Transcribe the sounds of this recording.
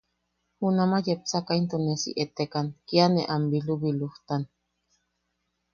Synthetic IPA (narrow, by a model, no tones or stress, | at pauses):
hunamajep̚sakaint̪onesḭʔet̪ekankianeʔambiluβiluht̪an